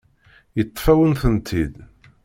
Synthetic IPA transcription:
jət̪ˤːfæwənθənt̪ʰid̪

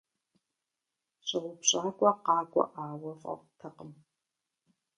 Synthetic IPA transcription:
ɕʼɐʁʷʊpɕʼaːkʷʼɔqɑːkʷʼɔ̰ʔaːwɐfʼɐ̰tʰɐqəm

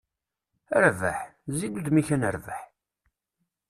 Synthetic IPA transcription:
əɾvə̰ħziluðmiçænəɾvəħ

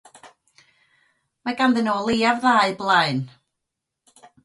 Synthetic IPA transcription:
maɡanðɨnɔːlˠiːavðaːɨblˠaɨn

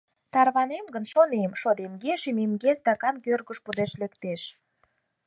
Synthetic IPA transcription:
t̪ɑrβɑnemɡənʃonemʃod̪emɡeʃememɡest̪ɑkɑnkørɣəʃpud̪eʃlekt̪eʃ

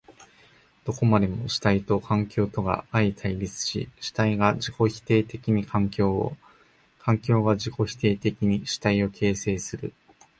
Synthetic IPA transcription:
d̪̥o̞ko̞mad̪e̞mo̞ɕi̥t̪ait̪o̞kʰãŋkʲo̞ːt̪o̞ɡa̰ait̪ʰaiɾʲit͡sɨ̥ɕḭɕi̥t̪aiɡaʑiko̞çi̥t̪e̞ːt̪e̞kʲiɲ̟ikʰãŋkʲo̞ːo̰ | kʰãŋkʲo̞ːɡaʑiko̞çi̥t̪e̞ːt̪e̞kʲiɲ̟iɕi̥t̪aio̞kʰe̞ːse̞ːsɨɾɯ̟

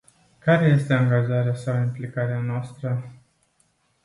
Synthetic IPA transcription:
kaɾe̞je̞st̪e̞aŋɡaʒaɾeasaimplikaɾeanoast̪ɾə

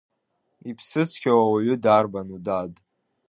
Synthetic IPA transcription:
ipʰsɨt͡sʷʰkʲawawaɥʏdarbanudad

